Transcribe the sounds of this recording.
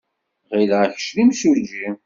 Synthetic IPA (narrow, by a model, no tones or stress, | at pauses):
ʁilʕç̥ʃlimsud͡ʒi